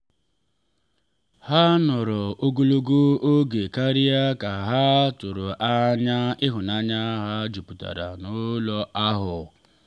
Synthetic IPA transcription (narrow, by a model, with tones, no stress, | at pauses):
ha˦nʊ˨ɾɔ˨o˦ɡo˦lo˦ɡo˦o˦ɡe˨ka˦ɾi˦a˦ka˨ɦa˦tʊ˨ɾʊ˨ʔa˦ɲa˦ɪ˦ɦʊ˨na˦ɲa˦ɦa˦d͡ʒu˨pu˨ta̰˨ɾa̰˨nʊ˦lɔ˦ʔa˦ɦʊ˨